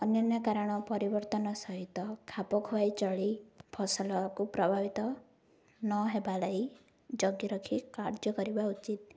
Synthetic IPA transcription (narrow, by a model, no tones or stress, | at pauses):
ɔnjɔnjɔkaɾɔɽ̃ɔpɔɾibɔɾt̪ɔnɔsɔɦit̪ɔkʰapɔkʰoajt͡ʃɔɭipʰɔsɔlɔkupɾɔbʱabit̪ɔ | nɔɦebalɔi | d͡ʒɔɡjɔɾɔkʰikaɾd͡ʒɔkɔɾibaut͡ʃit̪̚